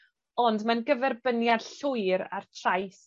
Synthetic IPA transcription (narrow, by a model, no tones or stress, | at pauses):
ɔndmanɡəvɛrbənjad̥ɬʊɨɾa̰rtʰrajs